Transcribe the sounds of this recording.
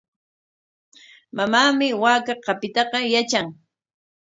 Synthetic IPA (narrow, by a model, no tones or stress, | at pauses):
mamaːmɪwaːkaqɑpɪt̪ɑqɑjat͡ʃaŋ